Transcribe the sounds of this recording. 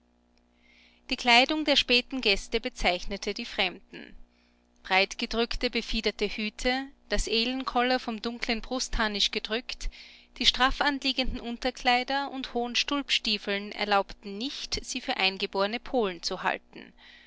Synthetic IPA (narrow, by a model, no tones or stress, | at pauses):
d̥iːkʰl̥aɪdʊŋdeːɐʃpɛːtn̩ɡɛstəbət͡saɪçnətʰədiːfʁ̥ɛmdn̩ | b̥ʁaɪtɡ̥ədʁʏktəbəfiːdɐtəhyːtʰəd̥asʔeːlənkʰɔlɐfɔmdʊŋklənbʁʊstʰaːnɪʃɡ̥ədʁʏktd̥iːʃtʁ̥aːfanliːɡəndn̩ʔʊntɐkʰl̥aɪdɐʔʊnthoːənʃtʊlpʃtiːfl̩nʔɛ̰ɐlaʊptn̩nɪçtz̥iːfyːɐʔaɪnɡəboːɐʁənəpʰoːln̩t͡suha̰ltn̩